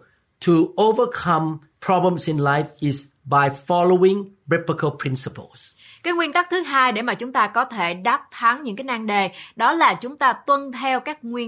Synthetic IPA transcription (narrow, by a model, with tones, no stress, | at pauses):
tʰuovəkʰãm | pʰɹ̥ɔblə̃msɪ̃˨nlajfɪs | ba˨jfɔloɪ̃ŋbɛpəkʰəlpʰɹɪ̃nsəpʰə̰ls | kaː˨˦jŋwi˧ənt̪a˦˥k̚t̪ʰɨ˨˦ɦaː˧jɗe˧˩maː˨˩t͡ɕʊ˨˦ŋ͡mt̪aː˧kɔ˨˦t̪ʰe˧˩ɗaː˦˥t̚t̪ʰa˨˦ŋɲɨ̰˧˥ŋkaː˨˦jnaː˧ŋɗe˨˩ɗɔ˨˦laː˨˩t͡ɕʊ˨˦ŋ͡mt̪aː˧t̪wə˧nt̪ʰɛ˧wkaː˦˥k̚ŋwi˧ə